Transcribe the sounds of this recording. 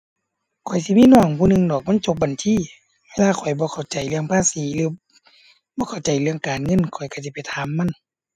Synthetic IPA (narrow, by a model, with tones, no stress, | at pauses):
kʰɔ˨˩jsi˧˦miː˧˥˨nɔː˧˩ŋpʰuː˧˨nɯ˧˨ŋdɔː˨˩k̚maː˧˥˨t͡ɕo˧p̚ba˨˩nt͡ɕʰiː˧˨ | wlaː˧˨kʰɔ˨˩jbɔː˧˦kʰa˨˩wt͡ɕa˨˩jlɯ˧əŋpʰaː˧˨siː˨˦lɯː˨˧˦ | bɔː˧˦kʰa˨˩wt͡ɕa˨˩jlɯ˧əŋkaː˨˩nŋɤ˧˥˨nkʰɔ˨˩jka˧˩s̬i˧˦˩pa˨jt̪ʰaː˨˦mːa˧˥˨n